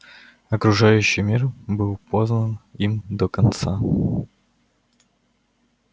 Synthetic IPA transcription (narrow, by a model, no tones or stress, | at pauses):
ɐkɾʊʐajʉɕːɪjmʲirbɨlˠpo̞znənimd̪əkɐnt̪sa